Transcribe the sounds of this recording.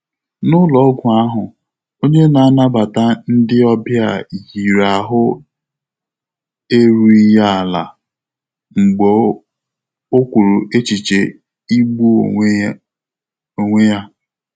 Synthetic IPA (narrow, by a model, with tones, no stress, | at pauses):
nʊ˦lɔ˨˦ɡʷʊ˨a˦ɦʊ˨ | o˦ɲe˦na˨a˦na˦ba˨ta˦n̩˦dɪ˦ɔ˦bja˨ɣi˨ɾa˨ɦʊ˦ | e˦ɾu˦i˦ja˦a˨la̰˨ | ŋ͡m̩˨ɡ͡bo˨˦ | o˦kʷu˨ɾu˨ʔe˦t͡ʃi˨t͡ʃe˨ | i˦ɡ͡bu˦˨˦ | o˨ŋʷe˦ja˦